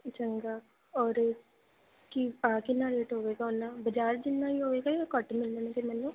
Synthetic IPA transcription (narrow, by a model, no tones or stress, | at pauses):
t͡ʃəŋɡaː | ɔːɾ | kiãːkɪnːaːɾeːʈɦoːʋeːɡaːʊnːãːbəd͡ʒaːɾd͡ʒɪnːãːiɦoːʋeːɡaːkəʈmɪlːənekimɛːlũː